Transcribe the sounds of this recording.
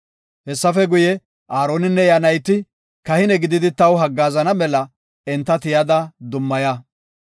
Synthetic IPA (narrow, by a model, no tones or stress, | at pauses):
hɛsːɐfɛɡʊjɛ | ʔaːɾo̞ːnɪnːɛjɐnɐjt̪ːɪ | kɐhɪnɛɡɪd̪ɪd̪ɪt̪ɐwɦɐɡːaːzɐnɐmɛlɐ | ɛnt̪ːɐt̪ɪjɐd̪ɐd̪ʊmːɐjɐ